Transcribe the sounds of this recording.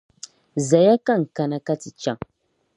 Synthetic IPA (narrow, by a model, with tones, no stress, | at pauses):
za˨ja˦ka˦˨ŋ̩˨ka˦na˦ka˦ti˨t͡ʃa˦ŋ